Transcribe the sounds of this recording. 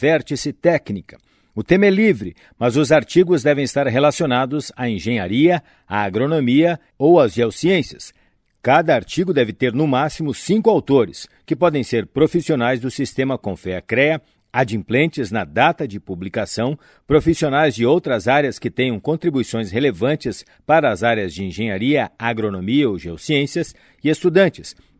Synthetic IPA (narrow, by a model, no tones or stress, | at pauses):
fɛɾt͡ʃɪsɪt̪ɛknikɐ | ʊt̪ẽmɐɛlivɾɪ | mɐzʊzaɾt͡ʃiɡʊzd̪ɛvẽj̃ɪst̪aɾɦelasionad̪ʊzaẽʒẽɲaɾiɐ | aːɡɾonomiɐ | owɐzʒɛwsiẽsiɐs | kad̪ɐaɾt͡ʃiɡʊd̪ɛvɪt̪eɾnʊmasimʊsĩŋkʊawt̪oɾɪskɪpɔd̪ẽj̃seɾpɾofisionajzd̪ʊsist̪ẽmɐkõfɛɐkɾɛɐ | ad͡ʒĩmplẽnt͡ʃɪznɐd̪at̪ɐd͡ʒɪpublikasɐ̃w̃ | pɾofisionajzd͡ʒɪowt̪ɾɐzaɾjɐskɪt̪ẽj̃ɐ̃w̃kõnt̪ɾibuisõj̃shelevɐ̃nt͡ʃɪs | paɾɐːzaɾjɐzd͡ʒɪẽʒẽɲaɾiɐaɡɾonomiɐowʒɛwsiẽsiɐs | ɪest̪ud̪ɐ̃nt͡ʃɪ̥s